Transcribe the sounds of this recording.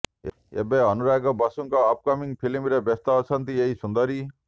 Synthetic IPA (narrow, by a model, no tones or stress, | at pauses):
ḛbeɦʌnuɾakobʌsuŋkoːp̚kʌmiŋpʰilimiɾebʌst̪aot͡sʰʌnt̪ieɦisund̪ʌɾi